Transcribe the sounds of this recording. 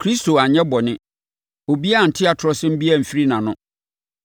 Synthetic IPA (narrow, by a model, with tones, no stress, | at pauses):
kʰɾi˦sto˨a˨ɲɛ̃˦bɔ˨nɪ̃˦ | o˨bi˦a˦˨n̩˨tʰɪ˦a˨tʰʊ˦ɾɔ˦sɪ̃˦m̩˦bi˦ɛ˦˨m̩˨fi˦ɾi˦nã˨nʊ̃˦